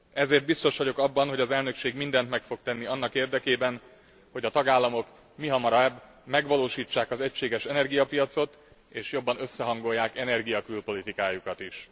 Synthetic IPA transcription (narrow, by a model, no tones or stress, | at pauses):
ɛzeːrt̪bist̪o̞ʃʋɒɟo̞kɒbːɒnɦo̞ɟɒzɛlnø̞kʃeːɡmind̪ɛnt̪mɛkfo̞k̚t̪ɛnːiɒnːɒkeːrd̪ɛkeːbɛn | ho̞ɟɒt̪ɒɡaːlːɒmo̞k | miɦɒmɒɾɒɛb | mɛɡʋɒloːʃiːt͡ʃːaːkɒzɛcʃeːɡɛʃɛnɛrɡijɒpijɒt̪so̞t̪ | eːʃjo̞bːɒnø̞sːɛɦɒŋɡo̞jːaːkɛnɛrɡijɒkylpo̞lit̪ikaːjukɒt̪iʃ